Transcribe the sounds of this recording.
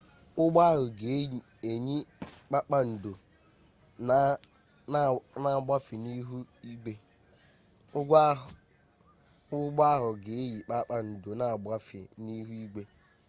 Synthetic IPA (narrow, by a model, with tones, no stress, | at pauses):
ʊ˦ɡ͡ba˦ɦʊ˨ɡe˨˦ɲi˨ | e˨ɲi˦k͡pa˦k͡pa˦n̩˨do˨ | n˦ | na˨a˨ɡ͡bʷa˦fi˨ni˦ɦu˦i˦ɡ͡be˦ | ʊ˦ɡʷ | ʊ˦ɡ͡ba˦ɦʊ˨ɡe˨e˦ji˨k͡pa˦k͡pa˨n̩˨do˨na˨a˨ɡ͡ba˦fɪ̰˨ni˦ɦu˦i˦ɡ͡be˦